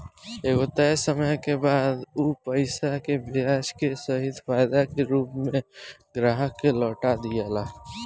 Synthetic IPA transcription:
eːkot̪asəməjkebaːd̪upəɪsakebɪaːʃkesəɦɪd̪faːɪd̪akeɾuːpmẽɡɾaːɦəkːelɔːʈad̪ijaːlaː

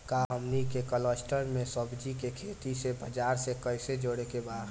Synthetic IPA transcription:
kaɦəmnikekələsʈəɾmesəbd͡ʒikekʰet̪isebʱəd͡ʒaɾsekəɪsed͡ʒoɽekebad̪

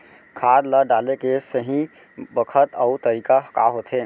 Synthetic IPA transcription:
kʰaːd̪ləɖaːlekesəɦĩ | bəkʰət̪əʊt̪əɾiːkaka̰ɦot̪ʰɦeː

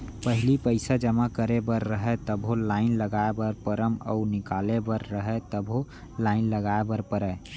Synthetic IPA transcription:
pəɦɪlipəɪsad͡ʒəmakəɾebəɾːəɦɛt̪əbʱɦolaːɪnləɡaebəɾpəɾəmɔ̰ʊɾnɪkaːlebəɾːəɦɛt̪əbʱo | laːɪnləɡaebəɾpəɾɛ

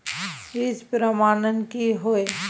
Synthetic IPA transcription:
ɪspɾəmaːnənkiɦoe

